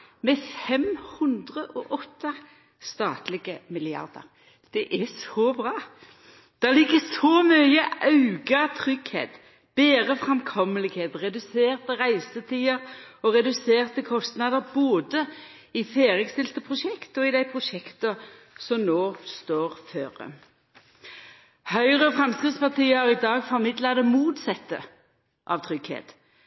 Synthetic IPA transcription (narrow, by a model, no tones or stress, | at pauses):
mɛfɛmhʉnd̪ʁəʔɔʔɔt̪ːə | st̪ɑːt̪lɪɡəmɪlɪɑ̰ʁd̪ə̰ʁ | d̪̥ɛʔɛsɔbʁɑː | d̪̥ɛlɪɡəsɔmœʏəɑʉɡɑt̪ʰʁʏɡhḛːt̪ | b̥eːʁəfʁɛmkʰɔmːəlɪɡheːt̪ʁɛd̪ʉseːʁt̪əʁæɪsət̪ʰiːəɾɔʁɛd̪ʉseːʁt̪əkʰɔst̪nɑd̪əʁboːd̪ə | ɪfeːʁjəkst̪ɪlt̪əpʰʁʊʃɛkt̪ɔɪd̪æɪpʰʁʊʃɛkt̪ə | sɔmnoːst̪oːʁføːʁə̰ | hœʏʁəfʁɑmskɾɪt̪spɑʁt̪iːəhɑʁɪd̪ɑːɡfɔmɪd̪lɑt̪ɔmuːt̪sɛt̪ːə | ʔɑʋt̪ʰʁʏɡ̥hḛːt̪